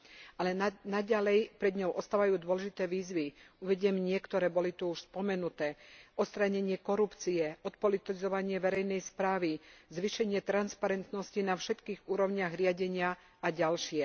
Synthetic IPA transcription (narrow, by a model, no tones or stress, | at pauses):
alɛnaɟalɛjpɾɛd̪ɲɔʊʔɔst̪aːʋajuːd̪ʊɔlɛʒit̪ɛːʋiːzʋiuʋɛɟɪɛmɲɪɛkt̪ɔɾɛːbɔlit̪uuʃspɔmɛnut̪ɛːʔɔt̪st̪ɾaɲɛɲɪɛkɔɾupt͡siɛʔɔt̪̚pɔlit̪izɔʋaɲɪɛʋɛɾɛjnɛjspɾaːʋizʋiʃɛɲɪɛt̪ɾanspaɾɛnt̪nɔscinafʃɛt̪kiːɣuːɾɔʊɲɪaɣɾɪaɟɛɲɪa | aɟalʃɪɛ